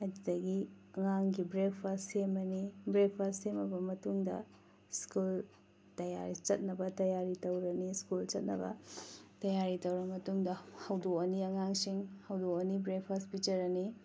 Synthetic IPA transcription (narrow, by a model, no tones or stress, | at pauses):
ɐd͡ʒidɐɡi | ɐŋaŋɡibɾek̚pʰastsemɐnibɾek̚pʰastːemɐbɐmɐtuŋdɐ̰ | skul | tɐja̰ɾit͡ʃɐt̚nɐbɐtɐjaɾitɐwɾɐniskult͡ʃɐt̚nɐ̰bɐ̰tɐjaɾitɐwɾɐmɐtuŋdɐhɐwdoɐniɐŋaŋsiŋhɐwdoɐnibɾek̚pʰaspit͡ʃɐɾɐni